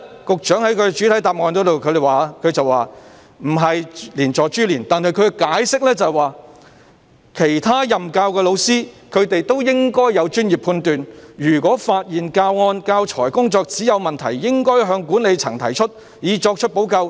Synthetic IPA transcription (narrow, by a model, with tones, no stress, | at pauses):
kʊ˨k̚t͡ʃœː˨˥ŋhɐ˨˥jkʰɵ˨˧t͡ʃyː˨˥t̪ʰɐ˨˥jt̪aː˨p̚ŋɔː˨˧nk̪ɔ˨˥t̪o˨wkʰɵ˨˧ɾe˨jwaː˨˩˥kʰɵ˨˧ɥt͡sɐ˨waː˨ | m̩˨˩ɦɐ˨jliː˨˩nt͡sɔː˨˧t͡ʃyː˥liː˨˩nt̪aː˨˧nɦɐ˨jkʰɵ˨˧˥kɛ˧kaː˨˥jsɪ˥k̚lɛː˥t͡sɐ˨jwaː˨ | kʰe˨˩jt̪ʰaː˥jɐ˨mkaː˧wkɛː˧lo˨˧wsiː˥ | kʰɵ˨˧ɥt̪e˨jt̪o˥wjɪ˥ŋkɔː˥jːɐ˨˧wt͡ʃyː˥nji˨pʰuː˧nt̪yː˨njyː˨˩kʷɔː˨˥faː˧t̚jiː˨nkaː˧wŋɔː˧nkaː˧wt͡ʃʰɔː˨˩jkʊ˥ŋt͡sɔː˧k̚t͡siː˨˥jɐ˨˧wmɐ˨nt̪ʰɐ̰˨˩jːɪ˥ŋkɔː˥jɦœː˨˧ŋkuː˨˥nle˨˧jt͡sʰɐ˨˩ŋt̪ʰɐ˨˩jt͡ʃʰɵ˥t̚ | jiː˨˧t͡ʃɔː˧k̚t͡ʃʰɵ˥t̚po˨˥wkɐ˧w